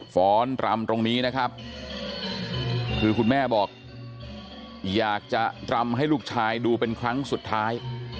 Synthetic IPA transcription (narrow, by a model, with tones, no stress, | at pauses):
fɔː˦˥nt̪ɾa˧mt̪o˧ŋniː˦˥na˦˥kʰa˦˥p̚ | kʰɯː˧kʰu˧nmɛː˥˩bɔː˨˩k̚ | jaː˨˩k̚t͡ɕa˨˩t̪ɾa˧mɦa˥˩jluː˥˩k̚t͡ɕʰaː˧jduː˧pe˧nkʰɾa˦˥ŋsu˨˩t̪ʰːaː˦˥j